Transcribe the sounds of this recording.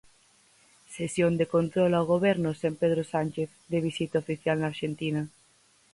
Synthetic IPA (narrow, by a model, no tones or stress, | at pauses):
sesjond̪ekont̪ɾolaoɣ̞oβ̞eɾnosempeð̞ɾosanʲt͡ʃeθd̪eβ̞isit̪aofiθjalnaːɾʃent̪ina